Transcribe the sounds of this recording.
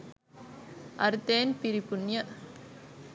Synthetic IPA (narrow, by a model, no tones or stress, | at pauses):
ʔɐɾt̪eːnpɪɾipʊnjɐ